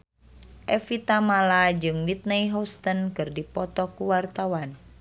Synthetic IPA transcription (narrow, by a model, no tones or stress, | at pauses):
ʔɛfit̪amalad͡ʒɨŋwit̪̚najɦɔst̪ənkɨrdipɔt̪ɔkuwart̪awan